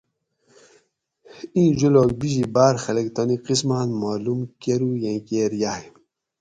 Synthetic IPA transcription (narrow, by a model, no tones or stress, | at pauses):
ĩːʒuloːk̚biʑibaːɾxɐlekt̪ɔniqismaːnmaːlumkeɾujẽkeːɾjahi